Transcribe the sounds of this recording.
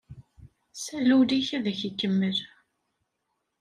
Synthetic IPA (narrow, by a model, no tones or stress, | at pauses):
sælːuwliçæðæçəkːəmːəl